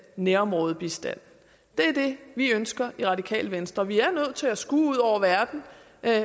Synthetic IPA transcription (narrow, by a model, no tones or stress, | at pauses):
neːɐɒmʁɔːðˠb̥isd̥æn̰ | d̥e̝ɐd̥e̝ʋiønsɡ̥ɐʔiʁɑ̈d̥ikʰɛ̰ːlʋensd̥ʁɐʋiæɐnøð̰ˠt͡sʰe̝æsɡ̥ṵːuð̞̰ˠɒʊ̰ɐʋæɐd̥n̩